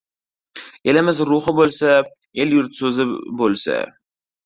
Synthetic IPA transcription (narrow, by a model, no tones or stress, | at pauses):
e̞lɪmɪzɾuχɪbolˠsa | eljʊɾt̪sɵzɪbolˠsa̰